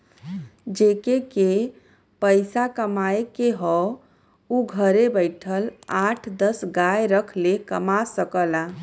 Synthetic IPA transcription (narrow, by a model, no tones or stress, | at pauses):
d͡ʒekeke | pəjsakəmaekeɦɔ | uɡʱəɾebəɪʈʰəlaʈʰd̪əsɡajɾəkʰlekəmasəkəla